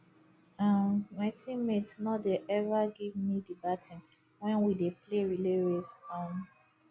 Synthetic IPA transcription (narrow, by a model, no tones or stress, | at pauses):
ãmmatĩmetnɔdeʔɛvaɡivmidibatʰĩn | wɛ̃nwidepleɹileɹesam